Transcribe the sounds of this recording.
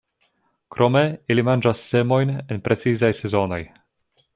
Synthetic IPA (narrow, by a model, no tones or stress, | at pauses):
kɾʔo̞me̞ilimand͡ʒasːe̞mo̞jne̞npɾʔe̞t͡sizajse̞zo̞no̞j